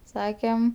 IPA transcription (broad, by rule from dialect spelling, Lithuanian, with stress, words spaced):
ˈsɑːkʲɛm